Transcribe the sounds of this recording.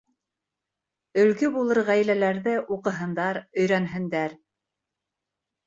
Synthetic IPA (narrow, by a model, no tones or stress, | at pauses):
ɵ̆lɡɵbulˠɤɾʁæjlælæɾðɘʔuqɤ̆ɦɤ̆nd̪ɑɾɵ̆jɾænɦɘ̆nd̪æɾ